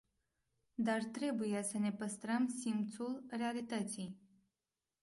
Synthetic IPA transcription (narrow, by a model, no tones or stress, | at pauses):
d̪art̪ɾe̞buje̞səne̞pəst̪ɾəmsimpt̪sulre̞alit̪ət̪sij